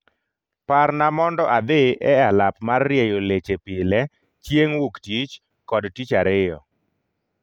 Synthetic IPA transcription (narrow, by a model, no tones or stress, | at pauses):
parnamɔndɔʔad̪eʔɛalapmarːjejolet͡ʃepɪlɛ | t͡ʃjeŋwuktit͡ʃ | kɔdtit͡ʃaɾɪjɔ̰